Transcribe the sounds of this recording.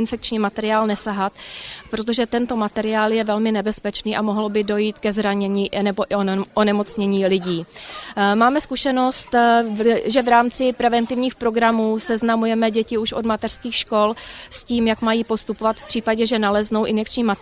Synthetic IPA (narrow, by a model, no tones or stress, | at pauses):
nfɛk̚t͡ʃɲiːmat̪ɛɾɪaːlnɛsaɦat̪pɾot̪̬o̞ʒɛt̪ɛnt̪o̞mat̪ɛɾɪaːljɛvɛlmɪnɛbɛspɛt͡ʃniːʔamoɦlbɪdo̞jiːt̪kɛzɾaɲɛɲiːnɛboʔɪoʔonɛmo̞t͡sɲɛɲiːlɪɟiː | maːmɛskuʃɛno̞st̪ | ʒɛvɾaːmt͡sɪpɾɛvɛnt̪ɪvɲiːxpɾo̞ɡɾamuːsɛznamujɛmɛɟɛcɪuʃʔodmat̪ɛr̥skiːxʃko̞lsciːmjakmajiːpo̞st̪upovat̪fpr̥iːpaɟɛʒɛnalɛzno̞wʔɪnfɛkt͡ʃɲiːma